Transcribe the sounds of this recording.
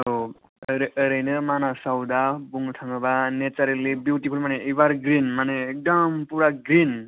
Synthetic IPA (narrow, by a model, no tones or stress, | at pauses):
o | ɾɾəjnemanasawd̪abuŋʈʰaŋɡʌbanet͡saɾelebjuwʈipʰulmaneibaɾɡɾinmaneek̚d̪ʌmpuɾaɡɾin